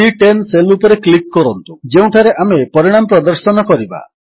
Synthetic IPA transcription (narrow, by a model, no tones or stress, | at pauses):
iʈenselupɔɾeklikːɔɾɔnt̪ud͡ʒeũʈʰaɾeʔamepɔɾiɽ̃amɔpɾɔd̪ɔɾsɔnɔkɔɾiba̰